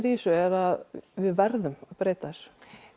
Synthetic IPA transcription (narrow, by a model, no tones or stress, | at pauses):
ɾiːsʏɛɾaðvɪðvɛɾðʏmaðpɾeːjt̪as